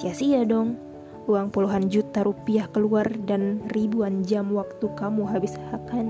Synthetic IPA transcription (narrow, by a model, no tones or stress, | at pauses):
siasiadɔŋ | uaŋpuluɦand͡ʒut̪aɾupiahkəluardanribuand͡ʒamwak̚t̪ukamuɦabɪshakan